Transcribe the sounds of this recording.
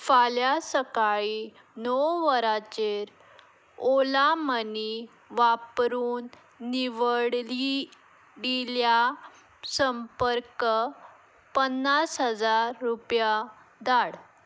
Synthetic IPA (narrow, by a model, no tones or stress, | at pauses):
faljasəkaɭi | nɔwʋəɾat͡ɕeɾ | olaməni | ʋapɾuːnː | iʋəɽli | ɖilja | səmpəɾkə | pənːasɦəd͡zaɾːupja | d̪aɽ